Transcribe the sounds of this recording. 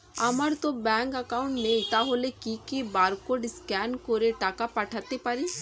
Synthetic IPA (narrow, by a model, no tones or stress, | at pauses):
ɐməɾt̪obɛ̃ːŋkəkaːʊɳʈmẽɪt̪aɦoːlekikibaːɾkoɖɪskɛːnkoɾeʈaːkapɐʈʰaːt̪epəɾi